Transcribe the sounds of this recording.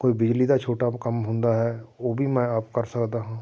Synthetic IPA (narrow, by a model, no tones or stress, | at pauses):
koːibɪd͡ʒliːd̪aːt͡ʃʰoːʈaːkəmɦʊ̃nd̪aːɦɛːoːbʱiːmɛ̃ːaːpkəɾsəkd̪aːɦãː